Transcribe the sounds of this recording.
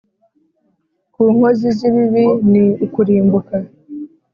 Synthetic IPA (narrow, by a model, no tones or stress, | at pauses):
kuːŋ̥hoziziβiβiniukuɾiːmbuka